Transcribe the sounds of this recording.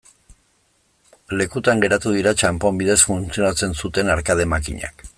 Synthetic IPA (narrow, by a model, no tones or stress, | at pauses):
le̞kut̪aŋɡe̞ɾat̪uð̞iɾat͡ʃampo̞mbiðe̞sfunt͡sio̞nat͡se̞nsut̪e̞naɾkað̞e̞makḭɲa̰k